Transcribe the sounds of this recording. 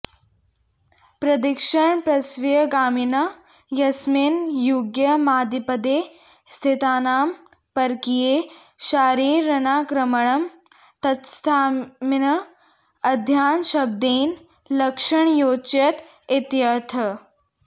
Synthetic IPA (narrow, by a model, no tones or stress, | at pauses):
pɾɐd̪ikʃɐɳpɾɐsʋijɐɡaːmɪnɐ | jɐsminjuːɡjɐmaːd̪ipɐd̪eː | st̪ʰɪt̪aːnaːm | pɐɾkijeː | ʃaːɾiːɾːɐnaːkɾɐmɐɳɐm | t̪ɐt̪st̪ʰaːminɐ | ɐd̪ʱjaːnʃɐb̚d̪iːn | lɐkʂɐɳjoːt͡ʃɐt̪ | ɪt̪jɐɾt̪ʰɐ